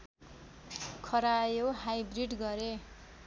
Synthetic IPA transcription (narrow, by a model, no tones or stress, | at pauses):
kʰʌɾajoɦajbriɖɡʌɾe